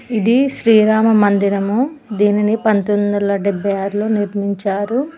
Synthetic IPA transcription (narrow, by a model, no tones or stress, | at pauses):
id̪iʃɾiːɾaːmɐmɐnd̪iɾɐmu | d̪iːninipɐnt̪ond̪ɐlɐɖɛbːɐjaːɾulo̞ːniɾmiɲt͡ʃaːɾu